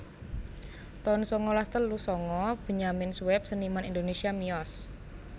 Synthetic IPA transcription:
t̪ɔnsɔŋɔlast̪əllusɔŋɔb̥ə̤ɲamɪnsuwɛp̚sənimanind̪onesiamiɔs

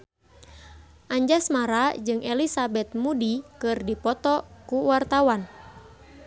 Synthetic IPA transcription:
ʔaɲd͡ʒasmaɾad͡ʒɨŋʔɛlisabɛt̪̚mudikɨrdipɔt̪ɔkuwart̪awan

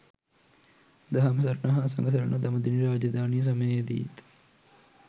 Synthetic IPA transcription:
d̪ɐɦɐmsɐɾɳɐɦɐs̬ɐ̰ŋɡɐsɐɾɐɳʔɐd̪ɐmɐd̪iniɾaːd͡ʒɐd̪aːnijɐs̬ɐmɐjɐd̪ḭt̪

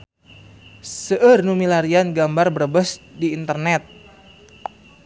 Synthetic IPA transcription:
səʔərnumilaɾianɡambarbərbəsdiːnt̪ərnɛt̪̚

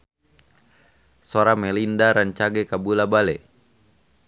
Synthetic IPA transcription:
soɾamɛlindaɾaɲt͡ʃaɡɛkabulabalɛ

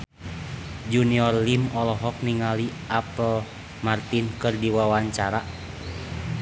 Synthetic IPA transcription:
d͡ʒuniɔrlimɔlɔɦɔk̚niŋaliʔapəl | mart̪inkɨrdiwawaɲt͡ʃaɾa

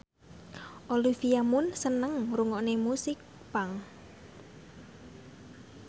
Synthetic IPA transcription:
ʔolifiamʊnsənəŋruŋɔʔnemusɪk̚ | paŋ

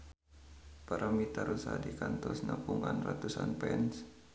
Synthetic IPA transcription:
paɾʔamit̪aɾusadikant̪ɔsnapuŋanrat̪usanpɛns

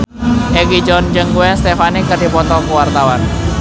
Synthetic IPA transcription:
ʔɛɡid͡ʒɔnd͡ʒəŋɡuɛnst̪efanikərdipɔt̪ɔkəwart̪awan

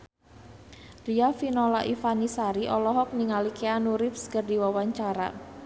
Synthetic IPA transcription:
riafinɔlaʔifanisaɾiʔɔlɔɦɔk̚niŋalikeanuɾɪfskərdiwawaɲt͡ʃaɾa̰

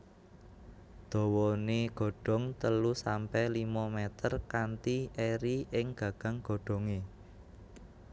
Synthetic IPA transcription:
d̪̥ɔ̤wɔneɡ̥ɔ̤ɖ̥ɔ̤ŋt̪əlusampɛhlimɔmɛt̪ərkant̪ieɾiʔɪŋɡ̥ä̤ɡ̥ä̤ŋɡ̥o̤ɖ̥ɔ̤ŋe

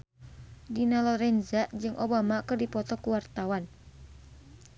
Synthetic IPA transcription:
dinalɔɾɛnzad͡ʒɨŋʔobamakɨrdipɔt̪ɔkuwart̪awan

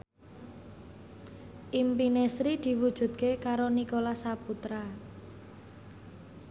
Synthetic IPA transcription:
ʔimpinesɾid̪̥i̤wud̥ʒ̥ṳd̪̚kekaɾonikolasaput̪ɾa

